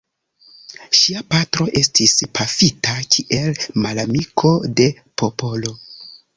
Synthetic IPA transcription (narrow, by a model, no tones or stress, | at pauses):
ʃiapatɾo̞ʔe̞stʰispʰafitakʲʰiʔe̞lmalamikʰo̞de̞ | po̞po̞lo̞